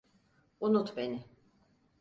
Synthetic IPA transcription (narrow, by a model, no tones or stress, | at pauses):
unut̪benɪ